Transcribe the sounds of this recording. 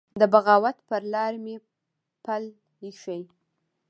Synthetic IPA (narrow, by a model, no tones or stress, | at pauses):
d̪əbaɣɑwat̪pəɾlɑɾme | pal | iʃəj